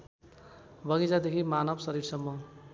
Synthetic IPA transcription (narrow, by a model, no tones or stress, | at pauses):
bʌɣid͡zad̪ekʰimanʌbsʌɾiɾsʌmːʌ